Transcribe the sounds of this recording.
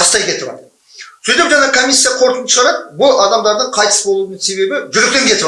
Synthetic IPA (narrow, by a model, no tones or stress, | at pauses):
ɑst̪ɑjkʲʰe̞t̪ɪbɑ̰t̪ | sejt̪epʒɑnɑkʰomʲijsːijɑqʰo̞ɾt̪ənt̪əʒɑɾɑp̚bʊlˠɑd̪ɑmd̪ɑɾd̪əɴqʰɑjt̪ə̥sbo̞lˠunənse̞βe̞bɪʒʏɾek̚t̪e̞ŋkʲʰe̞t̪ɪp